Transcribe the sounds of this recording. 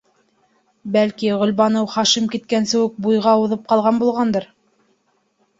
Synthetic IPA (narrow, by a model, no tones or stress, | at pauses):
bælkiʁɵ̆lβɑnɤwχɑʃimkit̪̚kænsɘ̆wɘk̚bujʁɑuðɤp̚qɑlˠʁɑnbulˠʁɑnd̪ɤɾ